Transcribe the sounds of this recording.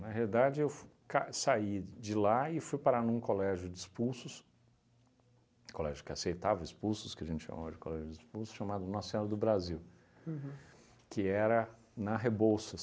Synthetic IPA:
nɐɦealid̪ad͡ʒɪewkasaid͡ʒɪlaɪfujpaɾanũkolɛʒʊd͡ʒɪispusʊs | kolɛʒʊkɪasejt̪avɐispusʊskɪɐʒẽnt͡ʃɪʃa̰ma̰vɐd͡ʒɪko̰lɛʒʊd͡ʒɪispusʊ̥ʃamad̪ʊnɔ̃ssẽɔɾɐd̪ʊbɾaziw | kɪɛɾɐ | nɐɦebowsɐ

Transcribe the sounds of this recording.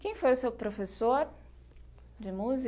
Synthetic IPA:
kẽj̃fojʊsewpɾofesoɾ | d͡ʒɪmuzi

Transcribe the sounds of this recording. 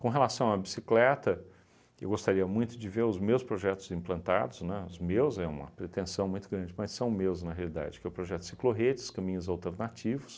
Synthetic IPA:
kõɦelasɐ̃w̃abisiklɛt̪ɐ | ewɡost̪aɾiɐmũj̃t̪ʊd͡ʒɪveɾʊzmewspɾoʒɛt̪ʊzĩplɐ̃nt̪a̰d̪ʊznɛ̃ʊzmewzɛṵ̃mɐ̰pɾet̪ẽsɐ̃w̃mũj̃t̪ʊɡɾɐ̃nd͡ʒɪmɐsːɐ̃w̃mewznɐɦealid̪a̰d͡ʒɪkɛʊpɾoʒɛt̪ʊ̥sikloɦet͡ʃɪ̥skɐ̃mĩɲʊzawt̪eɾnat͡ʃivʊs

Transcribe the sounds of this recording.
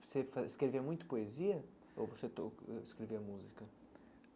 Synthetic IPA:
vosefɐskɾeveɐmũj̃t̪ɐ̥poeziɐ | o̰voset̪oʃkɾeveɾɐmuzikɐ

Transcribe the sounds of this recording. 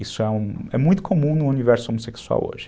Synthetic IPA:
isuɛũɛmũj̃t̪u̥kʰomũnũunivɛɾsuomusekswa̰wo̰ʒ

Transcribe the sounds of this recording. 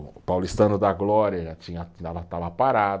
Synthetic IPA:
pawlist̪ɐ̃nʊd̪ɐɡlɔɾiɐʒat͡ʃĩɲɐavat̪avɐpaɾad̪

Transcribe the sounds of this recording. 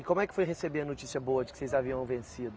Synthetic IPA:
ɪkõmʊɛkɪ̥fojɦesebeɾɐnot͡ʃisijɐboɐd͡ʒɪkɪ̥sejzaviɐ̃w̃vẽsid̪ʊ

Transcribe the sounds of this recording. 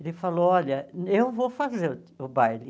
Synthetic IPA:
elɪfaloɔʎɐewvofazeɾʊ | ʊbajli

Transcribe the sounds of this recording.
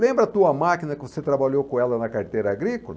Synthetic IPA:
lẽmbɾɐt̪uɐmakinɐkɪvoset̪ɾabaʎokõɛlɐnɐkaɾt̪ejɾɐaɡɾikolɐ

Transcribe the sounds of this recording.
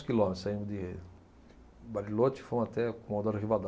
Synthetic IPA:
skilɔ̃met̪ɾʊsaĩnd̪ʊd̪ɪ | baɾilot͡ʃɪ̥fõat̪ɛkõmãd̪oɾɦivad̪

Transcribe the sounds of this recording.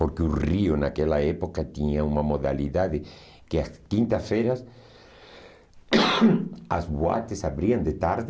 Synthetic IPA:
poɾkeurionakelaepokat̪iɲaumɐmoða̰liðaðe | keaskint̪afeɾas | azβwa̰t̪esaβɾiand̪et̪aɾð

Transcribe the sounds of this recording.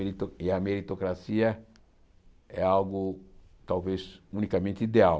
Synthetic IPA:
it̪oɪɐmeɾit̪okɾasiɐ | ɛalɡʊ | t̪awvesũnikamẽnt̪ɪid̪eaw

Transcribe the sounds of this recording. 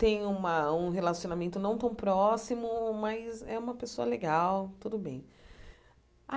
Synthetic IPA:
t̪ẽj̃ũmɐũɦelasionamẽnt̪ʊnɐ̃w̃t̪ɐ̃w̃pɾɔsimʊmɐzɛũmɐpesoɐleɡawt̪ud̪ʊbẽj̃ | a

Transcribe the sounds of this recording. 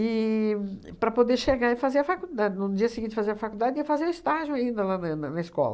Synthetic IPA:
ɪ | pɾɐpod̪eɾʃeɡaɾɪfazeɾɐfakud̪ad̪ɪnʊd͡ʒiɐsɪɡĩt̪t̪ɪfazeɾɐfakuld̪ad̪ɪiɐfazeɾʊɪst̪aʒʊ̃aĩnd̪ɐlanɐnɐnɐɪskɔ̰lɐ̰

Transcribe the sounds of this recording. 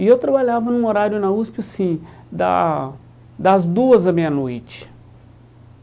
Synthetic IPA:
ɪewt̪ɾɐbaʎavɐnũoɾaɾjʊnɐuspɪasĩ | d̪ɐ̰ | d̪ɐzd̪uɐzɐmĩɲɐnojt͡ʃɪ̥

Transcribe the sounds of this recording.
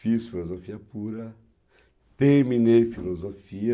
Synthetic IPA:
fisfilozofiɐpuɾɐ | t̪ẽɾmĩneɾfilozofiɐ

